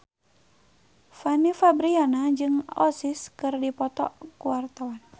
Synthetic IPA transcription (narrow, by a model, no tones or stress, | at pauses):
fanifabɾianad͡ʒɨŋɔ̰siskɨrdipɔt̪ɔ̰kuwart̪awan